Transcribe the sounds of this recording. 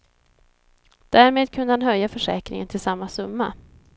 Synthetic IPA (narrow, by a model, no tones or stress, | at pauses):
d̪̥æːɾmeːd̪̚kʰɵnd̪əhanɦœjːafœʂɛ̰ːkɾɪ̰ŋə̰nt̪ʰɪlsamːasɵmːa̰